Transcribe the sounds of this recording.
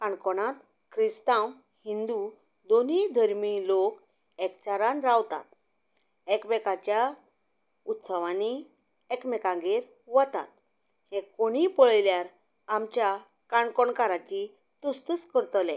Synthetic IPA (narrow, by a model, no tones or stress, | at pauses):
kaɳkɔɽ̃ãt̪ | kɾist̪ãw | hind̪u | d̪onid̪ʱəɾmilok | ɛkt͡ɕaɾanɾawt̪a̰t̪̚ | ɛkbɛkat͡ɕja | ut̪səʋani | ekmɛkãɡeɾ | ʋət̪a̰t̪̚ | hẽkoɽ̃ipɔɭljaɾ | amt͡ɕja | kaɳkɔɳkaɾat͡ɕi | t̪ust̪uskəɾt̪lẽ